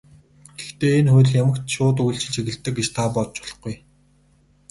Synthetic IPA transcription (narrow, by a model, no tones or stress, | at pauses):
ɡ̥ext̪eːenxʊj̆ɮjamə̆kt̪ʃʊːt̪̬ujɬt͡ɕʰɪ̆t͡ɕʰiɣɘ̆ɮt̪ːɘ̆k̚ɡet͡ɕt̪ʰapɔɮt͡ɕʊ̥ɮɞ̆χɡuj